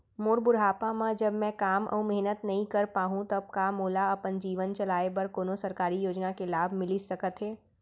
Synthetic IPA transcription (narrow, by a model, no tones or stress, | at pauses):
moːɾbʊɾɦaːpamãd͡ʒɐbmɛ̃kaːmʔə̰mɛɦnət̪nɐɦĩkɐɾpaːɦũt̪ɐb̚kamoːlaɐpənd͡ʒiːʋənt͡ʃɐlaːebɐɾkoːnosɐɾkaːɾijoːd͡ʒnakelaːbʱmɪlisɐkət̪ɦɛː